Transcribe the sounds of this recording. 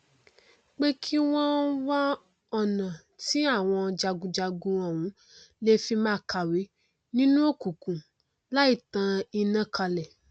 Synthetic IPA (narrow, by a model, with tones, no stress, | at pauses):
k͡pe˦kʰi˦w̃ɔ̃˦wa˦ | ɔ˦˨nã˨ | ti˨˦a˦˨w̃ɔ̃˧d͡ʒa˨ɡũ˧d͡ʒa˨ɡũ˧ɔ̃˨wũ˨˦ | le˦fi˧mãː˦ka˨we˨˦ | nĩ˦nũ˦o˦˨kũ˨kũ˨ | la˦i˦˨tã˧i˧nã˦ka˧lɛ˨